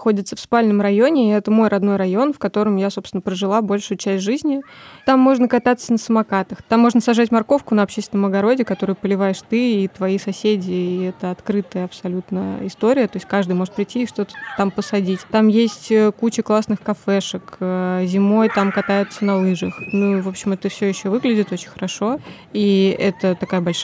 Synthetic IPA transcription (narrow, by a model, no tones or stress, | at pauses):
xo̞dʲɪt̪səfspalʲnəmɾɐjonʲɪɛt̪əmo̞jɾʔɐd̪no̞jɾɐjo̞nfkɐt̪o̞ɾəmjasopst̪vɪnəpɾəʐɨlˠabo̞lʲʂʊjʊt͡ɕæsʲtʲʐɨzʲnʲɪt̪amːo̞ʐnəkɐt̪at̪sənəsəmɐkat̪əxt̪amːo̞ʐnəsɐʐatʲmɐrko̞fkʊnəɐpɕesʲt̪ʲɪnəmɐəɡɐɾo̞dʲɪkɐt̪o̞ɾɨjʊpəlʲɪvajɪʂt̪ɨːt̪vɐisɐsʲedʲɪiɛt̪əɐt̪kɾɨt̪əjəɐpsɐlʲut̪nəjə̰ɪst̪o̞ɾʲɪjət̪o̞ɪsʲtʲkaʐd̪ɨjmo̞ʐɨt̪̚pɾʲɪtʲːiːʂt̪o̞t̪ə̥t̪ampəsɐdʲitʲt̪amjesʲtʲəkut͡ɕəklˠasnɨxkɐfɛʂɨkːzʲɪmo̞jt̪amkɐt̪ajɪt̪sənɐlˠɨʐəxnuvo̞pɕɪmɛt̪əfsʲojɪɕːovɨɡlʲɪdʲɪt̪o̞t͡ɕɪ̥nʲxəɾɐʂo̞ | iɛt̪ət̪ɐkajəbɐlʲʂ